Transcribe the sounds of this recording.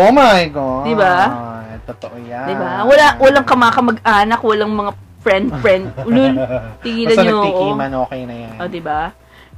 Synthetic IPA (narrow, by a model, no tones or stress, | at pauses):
ʔomajɡod̪ɪbat̪ot̪oʔojad̪ɪbawɐlawɐlɐŋkɐmakɐmɐɡʔaːnɐkwɐlɐŋmɐŋapɹɛnd̪̚fɹɛnd̪̚lulp̪iɡiːlɐɲoʔoimɐnoːkɛjnɐjaʔod̪ɪba